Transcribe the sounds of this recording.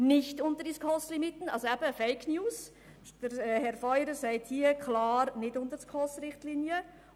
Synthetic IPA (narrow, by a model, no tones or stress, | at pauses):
nɪçtʊntəɾdiskʰɔslɪmɪtn̩ɑlsoɛb̥əfeɪkʰnjuːs | d̥əɾhɛɾfɔʏɾəsaɪthiːəkʰlɑːɾnɪtʊntəɾskʰɔsɾɪχtliːnjə